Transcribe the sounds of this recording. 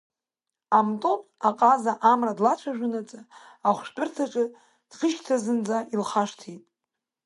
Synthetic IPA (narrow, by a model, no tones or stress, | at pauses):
amtʼopʼaqʼazaʔamradlat͡ʃʷʰaʒᶣʊnat͡sʼa | aχʷʃtʼɨrtʰaʈ͡ʂʼɨ | d̥χəʃʲtʰazɨnd͡zaʔilχaʂtʰitʼ